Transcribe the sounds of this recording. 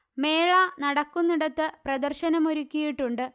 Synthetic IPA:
me̞ːɭaːnɐɽɐkːunːiɽɐt̪ːɨprɐd̪ɐrɕɐnɐmoɾukʲːijiʈːuɳɖɨ

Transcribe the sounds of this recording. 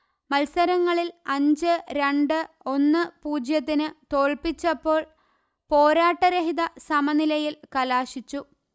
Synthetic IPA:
mɐlsɐɾɐŋːɐɭilɐɲd͡ʑɨɾe̞ɳɖɨ | o̞nːɨpuːd͡ʑjɐt̪̬ːinɨt̪o̞ːɭpit͡ɕːɐpːo̞ːɭ | po̞ːɾaːʈːɐɾeɦiðɐsɐmɐnilɐjilkɐlaːɕit͡ɕːu

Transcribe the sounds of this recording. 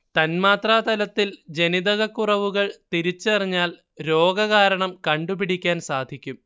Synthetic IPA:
t̪ɐnmaːt̪raːt̪ɐlɐt̪ːild͡ʑe̞niðɐɣɐkːurɐʋuɣɐɭt̪iɾit͡ɕːɐriɲːaːl | ɾo̞ːɡɐɣaːɾɐɳɐmkɐɳɖupiɽikʲːaːnsaːd̪ʱikʲːum

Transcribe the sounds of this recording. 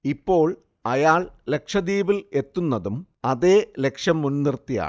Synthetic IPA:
ipːo̞ːɭ | ɐjaːɭle̞kʂɐd̪iːbile̞t̪ːunːɐðum | ɐðe̞ːle̞kʂjɐmːunːirt̪ːija̰ːɳ

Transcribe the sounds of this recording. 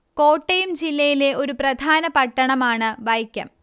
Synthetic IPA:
ko̞ːʈːɐjumd͡ʑilːɐjile̞ʔo̞ɾuprɐd̪ʱaːnɐpɐʈːɐɳɐmaːɳɨʋɐjkʲːjɐ̰m

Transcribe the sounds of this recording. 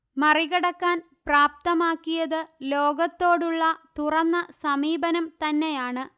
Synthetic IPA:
mɐriɣɐɽɐkːaːn | praːp̚t̪ɐmaːkːijɐðɨlo̞ːɡɐt̪ːo̞ːɽuɭːɐt̪urɐnːɐsɐmiːbɐnɐmt̪ɐnːe̞jaːɳɨ

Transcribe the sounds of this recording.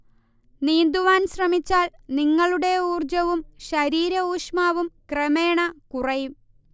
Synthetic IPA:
niːnd̪uʋaːnɕrɐmit͡ɕːaːɭniŋːɐɭuɽe̞uːrd͡ʑɐʋumɕɐɾiːɾɐuːʂmaːʋumkreme̞ːɳɐkurɐjum

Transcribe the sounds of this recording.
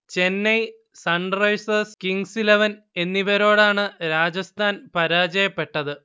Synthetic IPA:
t͡ɕe̞nːɐj | sɐɳɖrɐjsɐskiŋsilɐʋɐn | e̞nːiʋɐɾo̞ːɽaːɳɨɾaːd͡ʑɐst̪ʰaːnpɐɾaːd͡ʑɐjɐpːe̞ʈːɐðɨ

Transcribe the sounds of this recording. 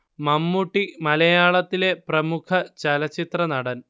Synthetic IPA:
mɐmːuʈːimɐlɐjaːɭɐt̪ːile̞prɐmukʰɐt͡ɕɐlɐt͡ɕːit̪rɐnɐɽɐn

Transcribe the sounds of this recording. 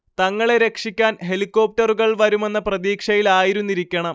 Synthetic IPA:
t̪ɐŋːɐɭe̞ɾe̞kʂikʲːaːnɦe̞likːo̞ːp̚tɐruɣɐɭʋɐɾume̞nːɐprɐðiːkʂɐjilaːjiɾunːiɾikʲːɐɳɐm

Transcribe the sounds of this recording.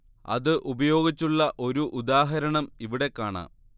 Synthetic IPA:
ɐ̰ðɨʔubɐjo̞ːɡit͡ɕːuɭːɐʔo̞ɾuʔud̪aːɦɐɾɐɳɐmiʋiɽe̞kːaːɳa̰ː

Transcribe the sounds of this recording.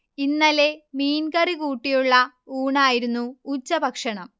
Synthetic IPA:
inːɐlemiːnkɐrikuːʈːijuɭːɐ | uːɳaːjiɾunːuːt͡ɕːɐbʱɐkʂɐɳɐm

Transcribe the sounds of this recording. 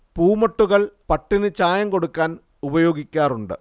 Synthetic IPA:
puːmɐʈːuɣɐɭpɐʈːinɨt͡ɕaːjɐŋko̞ɽukːaːn | ubɐjo̞ːɡikʲːaːruɳɖɨ̰

